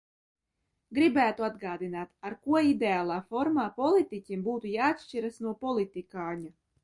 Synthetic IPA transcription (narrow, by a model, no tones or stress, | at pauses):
ɡɾibæːt̪uad̪ɡaːd̪inaːt̪aɾkuɔid̪ʲeaːlˠaːfɔɾmaːpɔlˠit̪icʲimbuːt̪ujaːat̪ʃt͡ʃiɾasnuɔpɔlˠit̪ikaːɲa